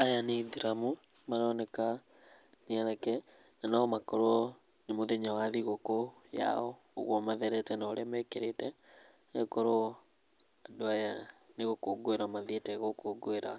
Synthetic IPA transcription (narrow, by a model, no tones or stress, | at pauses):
ajaneðiɾamo | manɔnɛka | neɛɾɛkɛ | nanaːmakoɾo | nemoðeɲawaðiɣokoja̰ɔː | ɣwɔmaðɛɾɛtɛnaoɾɛmɛkeɾetɛ | ɛkoɾo | adoajaneɣokoːɡoeɾamaðietɛɣokoɡoeɾa